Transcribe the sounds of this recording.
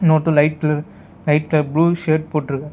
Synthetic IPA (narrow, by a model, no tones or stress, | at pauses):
noːʈːɯ̃lɐɪʈ̚klɐ | lɐɪʈ̚klɐbluːʃeːʈ̚poːʈːɪɾɯkːɐ